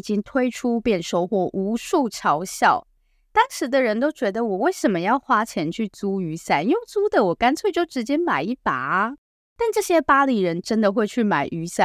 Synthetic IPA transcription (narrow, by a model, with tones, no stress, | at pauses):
t͡ɕi˥ŋt̪ʰwe˥ɪʈ͡ʂʰu˥pjɛ˥˩nʂo˥ʊxwɔ˥˩ʔu˧˥ʂu˥˩ʈ͡ʂʰɑ˧˥ʊɕjɑ˥˩ʊ | t̪ɑ˥ŋʂɻ̩˧˥d̪ə˨ɻə˧˥nt̪o˥ʊt͡ɕɥɛ˧˥d̪ə˨wɔ˨˩we˥˩ɪʂə˨˩nmə˦jɑ˥˩ʊxwa˥t͡ɕʰjɛ˧˥nt͡ɕʰy˥˩t͡su˥y˧˥sa˥˩njo˥˩ŋt͡su˥d̪ə˨wɔ˨˩ka˥nt͡sʰwe˥˧ɪt͡ɕjo˥˩ʊʈ͡ʂɻ̩˧˥t͡ɕjɛ˥ma˨˩ɪi˥˩pa̰˨˩˦ | t̪a˥˧nʈ͡ʂɤ˥˩ɕjɛ˥pa˥li˨˩ɻə˧˦˥nʈ͡ʂə˥nd̪ə˨xwe˥˧ɪt͡ɕʰy˥˩ma̰˨˩ɪʔy˧˥sa˥˩